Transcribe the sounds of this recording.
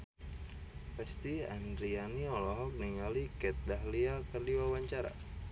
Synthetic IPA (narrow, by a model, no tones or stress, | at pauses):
past̪ia̰ndɾianiɔlɔɦɔk̚niŋalikɛt̪̚daɦliakərdiwawaɲt͡ʃaɾa̰